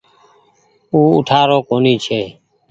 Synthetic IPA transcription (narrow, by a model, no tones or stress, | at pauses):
uːʊ̰ʈʰaːɾoːkoːniːt͡ʃʰeː